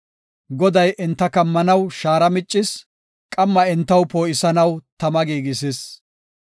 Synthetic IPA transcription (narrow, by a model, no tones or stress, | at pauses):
ɡɔd̪ɐjʔɪnt̪ːɐkɐmːɐnɐwʃaːɾɐmɪt͡ʃʼːɪs | kʼɐmːɐɪnt̪ːɐwpoːʔɪsɐnɐwt̪ɐmɐɡiːɡɪsɪs